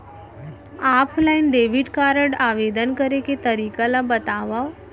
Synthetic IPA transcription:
apʰlainɖeʋiʈkaɾəɽaʋed̪ənkəɾeket̪əɾiːkalabət̪aʋaw

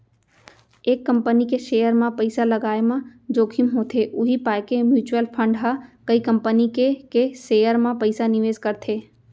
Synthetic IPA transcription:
eːkːə̃mpənikeʃeːjəɾmãpəɪsalɐɡaːemãd͡ʒoːkʰimɦoːt̪ʰeʔʊɦipaːekemjuːt͡ʃuəlpʰə̃ɳɖɦəkɐikɐ̃mpənikekeʃeːjəɾmãpəɪsanɪʋeːzkɐɾt̪ʰeː

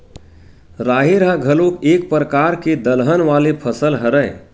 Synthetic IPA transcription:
ɾaɦeɾaɡʱəlokek̚pɾəkaɾked̪əlɦənʋalepʰəsəlɦəɾəj

